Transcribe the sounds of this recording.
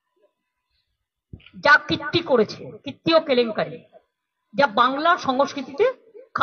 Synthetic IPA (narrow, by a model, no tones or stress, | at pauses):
d͡ʑakit̪ːikoɾet͡ɕʰekɾit̪ːiokeleŋkaɾi | d͡ʑabaŋlaɾʃɔŋoskɾit̪it̪e | kʰ